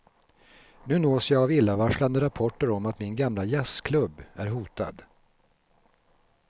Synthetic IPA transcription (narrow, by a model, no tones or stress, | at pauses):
nʉ̟ːnoːsjɑɡavɪlːavaʂɭand̪əɾapʰɔʈːəɾɔmat̪mɪnɡamlajɛskʰlɵbːæɾɦuːt̪a̰d̪